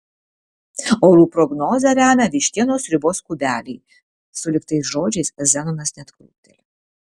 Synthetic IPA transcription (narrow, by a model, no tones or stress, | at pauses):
oːɾuːpɾɔɡnoːzʲɐɾʲæːmʲɛʋʲiʃʲt̪ʲiɛnoːsɾʲɪboːskubʲæːlʲɛɪ | sʊlʲɪkt̪ɐɪsʒoːd͡ʒʲɛɪszʲænonɐsnʲɛt̪kṵːt̪ʲɛlʲɪ